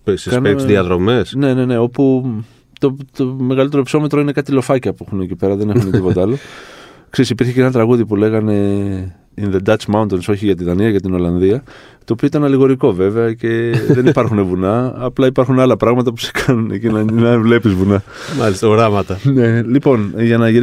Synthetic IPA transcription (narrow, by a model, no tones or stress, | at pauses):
psikɐnesðiɐðɾo̞me̞sne̞ne̞ne̞o̞pu | t̪o̞t̪ome̞ɣɐlit̪e̞ɾo̞pso̞me̞t̪ɾoine̞kɐt̪ilo̞fɐcɐpuexunecipe̞ɾɐðe̞ne̞xunexipo̞t̪eɐlo̞kseisipiɾçe̞ceenɐt̪ɾɐɣuðipule̞ɣɐne̞ | inðe̞d̪ɐt͡ʃmaunt̪onso̞çiʝɐt̪iðɐniɐʝɐt̪ino̞lɐnðiɐ | t̪oːpioit̪ɐnɐliɣo̞ɾiko̞ve̞veɐce̞ðe̞nipɐɾxune̞vunɐːplɐipɐɾxunɐlɐpɾɐɣmɐt̪ɐpuse̥kʰɐnunḛcinɐnɐvle̞pizvunɐ | mɐlist̪ɐɣɾɐmɐt̪ɐne̞lipo̞nʝɐnɐʝiɾ